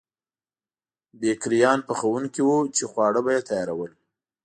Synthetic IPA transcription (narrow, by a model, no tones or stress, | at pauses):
bekɾijɑnpəxawuŋkiwut͡ʃexwɑɽəbajet̪ajɑɾawəl